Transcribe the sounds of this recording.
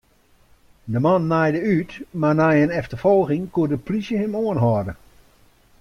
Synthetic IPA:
dəmɔnːajdəytmarnajənɛftəfɔlˠɣɪŋkuədəplisjəhɪmoənɦɔdə

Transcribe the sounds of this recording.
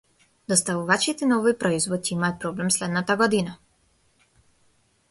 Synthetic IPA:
d̪ɔst̪avuvat͡ʃit̪ɛnaɔvojpɾɔizvɔd̪̚cɛimaat̪̚pɾɔblɛmslɛd̪nat̪aɡɔd̪ina

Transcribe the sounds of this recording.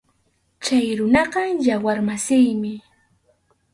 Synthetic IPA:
t͡ʃajɾʊnɑɢɑjawaɾmasɪjmɪ

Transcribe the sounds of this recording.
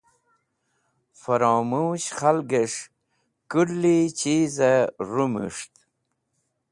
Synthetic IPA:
faɾɑːmuːɕχalɡeʂ | kullit͡ɕizaɾumṵʂt̪

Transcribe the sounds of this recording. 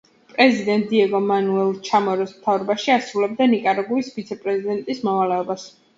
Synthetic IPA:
pʼɾɛzid̪ɛnt̪̚ʼdiɛɡɔmanuɛlˠt͡ʃʰamɔɾɔsmt̪ʰavɾɔbaʃiasɾulɛb̚d̪anikʼaɾɔɡuisvit̪sʰɛpʼɾɛzid̪ɛnt̪ʼismɔvalɛɔbas

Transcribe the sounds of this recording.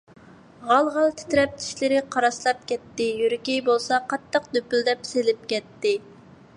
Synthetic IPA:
ʁɑlˠʁɑlˠt̪ʰɪ̥t̪ɾɛp̚t̪ʰi̥ʃlɪɾɪqʰɑɾɑslˠɑp̚kʲɛt̪ːɪjøɾkʲibolˠsɑqɑt̪ːəqd̪øpyld̪ɛpselɪp̚kʲɛt̪ːɪ

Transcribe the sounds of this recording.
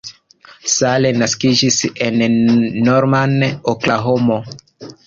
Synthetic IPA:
salenaskid͡ʒisenː | oɾmanoklaɦomo

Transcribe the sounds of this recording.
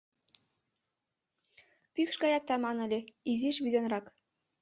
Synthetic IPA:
pikʃɡɑjɑk̚t̪ɑmɑnɘ̆lʲĕiziʃβʲid̪ʲɤnrɑk

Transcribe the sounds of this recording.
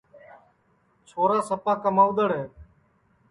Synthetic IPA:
t͡ʃʰoːɾaːsəpaːkəmaːʊd̪əɽɦẽː

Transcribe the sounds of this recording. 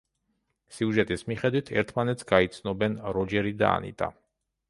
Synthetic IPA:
siuʒɛt̪ʼismiχɛd̪wit̪ʰɛ̰ɾt̪ʰmanɛt̪sʰɡait̪sʰnɔbɛnɾɔd͡ʒɛɾid̪a̰ːnḭt̪ʼa̰

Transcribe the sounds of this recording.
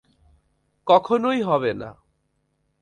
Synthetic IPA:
kɔkʰonojɦɔβena̰

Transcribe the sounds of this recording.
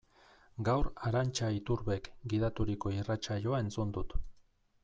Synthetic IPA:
ɡawɾaɾant͡ʃait̪uɾβe̞kɡiðat̪uɾiko̞irat͡ʃaʎo̞ae̞nt͡sund̪ut̪

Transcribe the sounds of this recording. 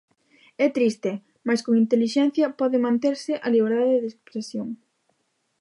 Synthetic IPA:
ɛt̪ɾist̪e | maskoŋint̪eliʃɛn̟θjɐpɔðɪmãnt̪eɾsɪʔɐliβ̞eɾðaðeðespɾesjoŋ

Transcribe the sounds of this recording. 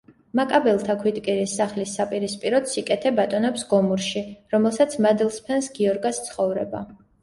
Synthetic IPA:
makʼabɛlˠt̪ʰakʰwit̪ʼkʼiɾisːaχlisːapʼiɾispʼiɾɔt̪sikʼɛt̪ʰɛbat̪ʼɔnɛpsɡɔmuɾʃiɾɔmɛlˠsat̪sʰmad̪ilˠspʰɛnsɡiɔɾɡast̪sʰχɔvɾɛba̰

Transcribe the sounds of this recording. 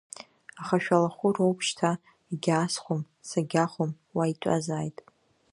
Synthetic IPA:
aχaʃᶣalaχʷʊrowpʰʃtʰa | iɡʲaːsχʷom | saɡʲaχʷom | waitʷʼa̰zaːjtʼ

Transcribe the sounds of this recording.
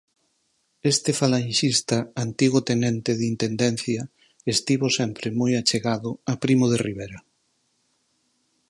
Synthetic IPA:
est̪efalanʃist̪ɐant̪iɣʊt̪enent̪eðint̪end̪en̟θjɐ | est̪iβosɛmpɾɪmojat͡ʃeɣaðʊapɾimoðeriβeɾɐ

